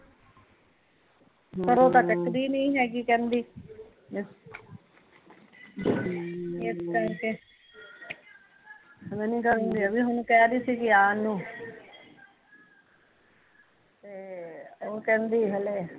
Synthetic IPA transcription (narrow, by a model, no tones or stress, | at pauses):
kəɾoːt̪aːkəkɾiːnĩːɦɛːɡikɛ̃ːnd̪iː | mɪs | eːskɛke | mɛ̃ːnĩːkəɾũːnd̪iːəbiːɦʊnũːkɛːɾiːsiːkɪaːnũː | t̪eːoːkɛ̃ːnd̪iːɦeleː